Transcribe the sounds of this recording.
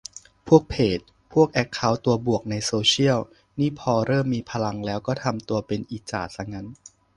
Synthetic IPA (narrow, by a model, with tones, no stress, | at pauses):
pʰu˥˩ək̚pʰeː˨˩t̪̚ | pʰu˥˩ək̚ʔɛ˦˥kkʰːa˦˥wt̪u˧ɐbu˨˩ək̚na˧jsoː˧t͡ɕʰi˥˩əw | niː˥˩pʰɔː˧ɾɤː˥˩mːiː˧pʰa˧la˧ŋlɛː˦˥wkɔː˥˩t̪ʰa˧mt̪u˧ɐpe˧nʔiː˨˩t͡ɕa̰ː˨˩t̪̚sa˧˩ŋa˦˥n